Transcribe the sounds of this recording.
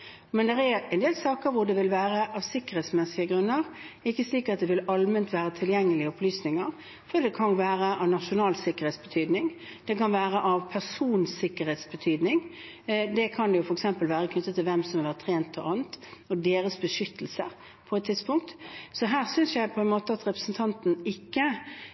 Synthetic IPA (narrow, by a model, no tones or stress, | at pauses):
mɛnd̪ɛɾɛɾɛnd̪eːlsɑːkəɾʋʊd̪ɛʋɪlʋæːɾəʔɑʋsɪkːəɾheːt̪smɛsɪəɡɾʉnːəɾ | ɪkːəsliːkɑt̪̚d̪ɛʋɪlɑlmənt̪ʋæːɾət̪ʰɪljɛŋːəlɪəɔpʰlyːsnɪŋəɾ | fɔd̪ɛkʰɑnʋæːɾəʔɑʋnɑʃʊnɑːlsɪkːəɾeːt̪sb̥ət̪ʰyːd̪nɪŋd̪̥ɛkɑnʋæːɾəʔɑʋpʰæʁsuːnsɪkːəɾheːt̪sbət̪ʰyːd̪nɪŋ | d̪ɛkʰɑnd̪ɛjʊfɔɾɛksɛmpəlʋæːɾəkʰnʏt̪ːət̪ːɪlʋɛmsɔmɑʋæːʁt̪ʰːɾeːnt̪ʰɔʔɑːnt̪ɔd̪eːɾəsbəʂʏt̪ʰːəl̩sə | pʰɔɛt̪t̪ʰːɪd̪̥spʊŋk̚t̪sɔɦæːʁsʏnsjæɪpʰɔɛnmoːt̪əɑt̪ɾɛpɾəsn̩t̪ʰɑnt̪n̩ɪkːə